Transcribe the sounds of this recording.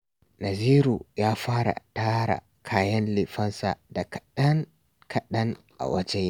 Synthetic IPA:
nɐ˨ziː˦ɾu˨jaː˦ɸaː˦ɽa̰˨taː˦ɾa̰˨ | kʰaː˨jɐ˦nlɪ˨ɸɐ˦nsa̰˨da˨kɗɐ˦n | kʰɐ˨ɗɐ˦ŋ | ʔa̰˨wɐ˦d͡ʒɛ˦

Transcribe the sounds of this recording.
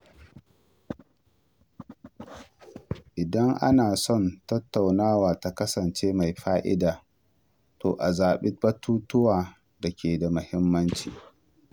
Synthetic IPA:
ʔɪ˨dɐ˦ŋʔa̰˦naː˨sɔ˦˨ntɐ˦tːa˨wnaː˦waː˨ta˨kɐ˦sɐ˨nt͡ʃeː˦ma˨jɸaː˦ʔɪ̰˦daː˨ | toː˨ʔa˨zaː˨ɓɪ˦bɐ˦tuː˦tʊ˦waː˨ | da˨kʲeː˨da˨mʊ˨hɪ˦mːɐ˦nt͡ʃḭː˨

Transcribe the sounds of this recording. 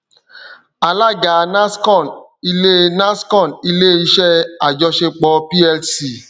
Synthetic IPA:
a˨la˦˨ɡa˨nã˦skɔ̃˦˨n | i˧le˦nã˦skɔ̃˦˨ni˧le˦i˧ʃɛ˦a˨d͡ʒɔ˧ʃe˧k͡pɔ˧pi˦ɛ˧lsi˨

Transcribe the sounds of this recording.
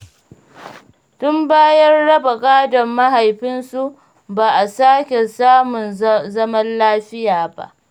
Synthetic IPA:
tʊ˦mbaː˦jɐ˦rɽɐ˦ba˨kʼaː˦dɐ˨mːɐ˦ɦa˨jɸɪ˦nsu˦ʔ | baː˨ʔa˨saː˦kʲe˨saː˦mʊ˨nzɐ˦mɐ˦nlaː˦ɸɪ˦jaː˨ba̰˦ʔ

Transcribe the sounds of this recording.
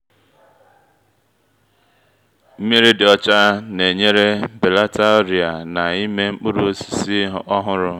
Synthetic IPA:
m̩˦me˦ɾe˦dɪ˨ɔ˦t͡ʃa˦ne˨ɲe˦ɾe˦be˨la˦ta˦o˦ɾja˨na˨i˦me˦ŋ͡m̩˦k͡pʊ˦ɾʊ˦o˦si̥˨si˦ɦɔ˦ɦʊ˦ɾʊ˦

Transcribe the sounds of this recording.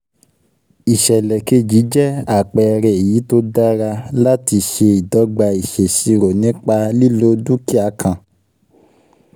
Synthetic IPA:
i˨ʃɛ˨lɛ˨ke˧d͡ʒi˨˦d͡ʒɛ˦a˦˨k͡pɛ˨˧ɾɛ˨e˨ji˨˦to˦da˦ɾa˧la˦ti˧ʃe˧i˨dɔ˨˦ɡ͡ba˧i˨ʃe˨si˧ɾo˨nĩ˨˦k͡pa˧li˦lo˨˦du˦ki˦a˧kʰã˨

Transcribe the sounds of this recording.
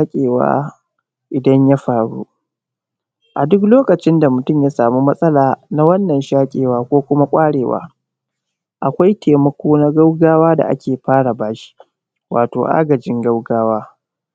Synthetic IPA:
a˦kʲʼeː˨wa̰ː˦ | ʔɪ˨dɐ˦ɲja˦ɸaː˨ɽṵ˦ | ʔa˨dʊ˦kloː˦kɐ˨t͡ʃɪ˦nda˨mʊ˨tʊ˦˨mjaː˦saː˨mu˦mɐ˦sʼɐ˦laː˨na˦wɐ˦nːɐ˨nʃaː˦kʲʼḛː˨waː˦kʷoː˦kʷʊ˦ma˦kʷʼaː˦ɽeː˨wa̰ː˦ | ʔa˨kʷa˦jtʰeː˨mɐ˦kʷoː˦na˦ɡa˦wɡaː˦waː˦da̰˨ʔa̰˦kʲʰeː˨ɸaː˦ɽa˨baː˦ʃi̥˦ | waː˨toː˨ʔa̰ː˦ɡɐ˨d͡ʒɪ˦ŋɡɐ˦wɡaː˦waː˦

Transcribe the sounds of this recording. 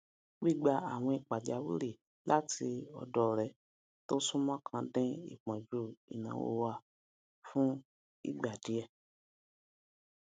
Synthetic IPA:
ɡ͡bi˦˨ɡ͡ba˧a̰˨w̃ɔ̃˧i˨k͡pa˨d͡ʒa˨˦wṵ˦ɾe˦˨ | la˦tʰi˧ɔ̰˧dɔ˦˨ɾɛ˨ | to˦sũ˦mã˦kʰã˧dɛ̃˦ḭ˦˨k͡pã˨d͡ʒu˦ḭ˨nã̰˨˦wo̰˧˦wa˧˨ | fũ˦ | ḭ˦˨ɡ͡ba˨di˨˦ɛ˦˨

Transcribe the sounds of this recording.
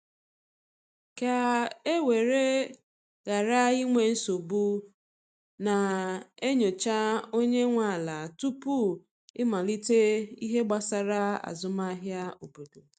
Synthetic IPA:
ka˨e˦we˨ɾe˦ | ɣa˨ɾa˦i˦ŋʷe˨n̩˦so˨bu˦ | na˨e˦ɲo˨t͡ʃa˦o˦ɲe˦ŋʷa˨la˨tu˦pu˦ | ɪ˦ma˨li˦te˦i˦ɦe˦ɡ͡ba˨sa˨ɾa˦a̰˨zʊ˦ma˦ɦja˦o˨bu˨do˨

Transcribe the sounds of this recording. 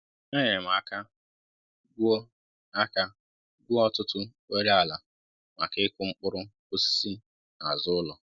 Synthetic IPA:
ne˦ɲɪ˨ɾɪ˨m̩˨a˨ka˦ | ɡo˦ | a˦ka˦ | ɡʷu˦ɔ˦tʊ˦tʊ˦ | o˦ɾi˦a˨la˨ | ma̰˨kɪ˦kʷʊ˦ŋ͡m̩˦k͡pʊ˦ɾʊ˦ | o˦si̥˦si˦ | a˨zʊ˦ʊ˦lɔ˨

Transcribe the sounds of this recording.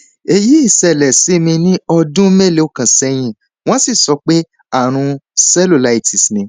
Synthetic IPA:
e˧ji˦i˦˨sɛ˨lɛ˨si˨˦mĩ˧nĩ˦ɔ˧dũ˦me˦˨le˦o˦˨kã˨sɛ˧j̃ĩ˧ | w̃ɔ̃˦si˦˨sɔ˧˦k͡pe˦ | a˦˨ɾ̃ũ˧sɛ˦lu˦˨la˨˦i˦˨ti˨snĩ˧

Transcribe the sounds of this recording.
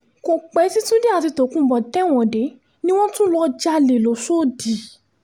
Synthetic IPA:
ko˨k͡pɛ˨˦si˦tũ˦de˦a˨ti˧to˨˦kũ˦bɔ˨tɛ˦˨w̃ɔ̃˨de˨˦ | nĩ˦w̃ɔ̃˦tũ˦lɔ˧d͡ʒa˧le˨lo˨so˦˨di˨

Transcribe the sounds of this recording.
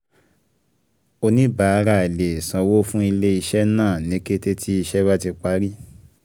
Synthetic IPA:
o˧nĩ˦ba˨˧˦ɾa˦˨i˨le˨sã˧wo˦fũ˦i˧le˦i˧ʃɛ˦nãː˦˨nĩ˨˦ke˦te˦tʰi˦i˧ʃɛ˦ba˦ti˧k͡pa˨˦ɾi˦

